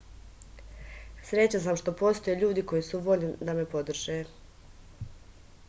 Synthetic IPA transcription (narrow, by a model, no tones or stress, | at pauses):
sɾe̞t͡ɕans̬amʃt̪o̞po̞st̪o̞jeʎuːd̪iko̞jisuʋo̞ʎnid̪ame̞po̞d̪r̩ʒe